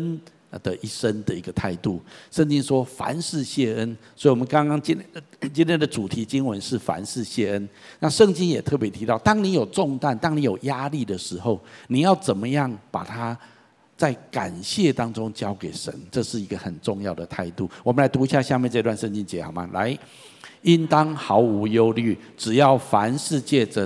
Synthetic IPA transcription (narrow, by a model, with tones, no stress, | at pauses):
n | d̪ə˨ʔi˥˩ʂə˦˥nd̪ə˨i˧˥ɡə˨t̪ʰa˥˧ɪt̪u˥˩ʂə˥˩ŋt͡ɕi˦˥ŋʂwɔ˥fa̰˧˦nʂɻ̩˥˧ɕjɛ˥˩ə˦nswɔ˧˥i˨˩wɔ˨˩ə˦nkɑ˥ŋkɑ˥ŋt͡ɕi˥˦t͡ɕi˥nt̪ʰjɛ˥nd̪ə˨ʈ͡ʂu˨˩t̪ʰi˨˥t͡ɕi˦˥nwə˧˦nʂɻ̩˥˩fa̰˧˥nʂɻ̩˥˧ɕjɛ˥˩ə˦˥n | na˥˧ʂə˥˧ŋt͡ɕi˥njɛ˨˩t̪ʰɤ˥˩pjɛ˧˥t̪ʰi˧˥t̪ɑ˥˩ʊt̪ɑ˥ŋni˧˥jo˨˩ʊʈ͡ʂʊ˥˧ŋt̪a˥˩nt̪ɑ˥ŋni˧˥˦jo˨˩ʊja˥li˥˩d̪ə˩ʂɻ̩˧˦xo˥˩ʊni˨˩jɑ˥˩ʊt͡sə˨˩nmə˦jɑ˥˩ŋpa̰˨˩t̪ʰa˥˦ | t͡sa˥˩ɪka˨˩nɕjɛ˥˨t̪ɑ˥ŋʈ͡ʂʊ˦ŋt͡ɕjɑ˥ʊke˨˩ɪʂə̰˧˦nʈ͡ʂɤ˥˧ʂɻ̩˥˩i˧˥ɡə˨xə˨˩nʈ͡ʂʊ˥˧ŋjɑ˥˩ʊd̪ə˩t̪ʰa˥˧ɪt̪u˥˩wɔ˨˩mə˦nla˧˥ɪt̪u˧˥i˧˥ɕja˥˧ɕja˥˧mjɛ˥˧nʈ͡ʂɤ˥˧t̪wa˥˧nʂə˥˧ŋnt͡ɕi˥nt͡ɕjɛ˧˦˥xɑ˨˩ʊma̰˨˦lʔa˧˦ɪ | i˦˥nt̪ɑ˦ŋxɑ˧˦˥ʊu˧˥jo˥ʊly˥˩ʈ͡ʂɻ̩˨˩jɑ˥˩ʊfa˧˦nʂɻ̩˥˧t͡ɕjɛ˥˩ʈ͡ʂə˩